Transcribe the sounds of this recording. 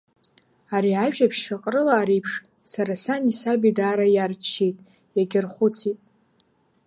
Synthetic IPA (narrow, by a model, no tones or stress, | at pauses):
aɾiaʒᶣʼapʰʃaqʼrɨlaːɾijpʰʂ | saɾasanisabidaːɾajart͡ʃʰːejtʼ | jaɡʲɪrχʷʊt͡sʰitʼ